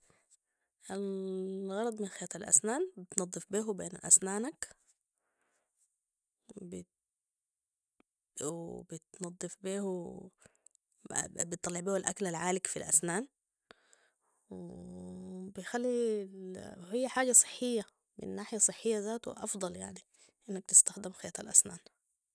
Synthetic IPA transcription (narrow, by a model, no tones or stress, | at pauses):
ʔalɣɑɾˤɑd̪ˤmɪnxeːt̪alʔa̰snaːnbɪt̪nɑd̪ˤːɨfbiːɦubḛːnʔa̰snaːnak | b | w̰bɪt̪nɑd̪ˤːɨfbiːhu | bɪt̪ˤːɑlːɑʕbiːhalʔakalalʕaːlɪkfilʔa̰snaːn | w | bijxalːi | hijːaħaːɟasˤɨ̥ħːɪjːa | mɪ̰nːaːħɪjasˤɨħːɪjːazaːt̪ṵʔɑ̰fd̪ˤɑlja̰ʕni | ʔɪnːak̚t̪ɪst̪axd̪ɪmxejːt̪a̰lʔasnaːn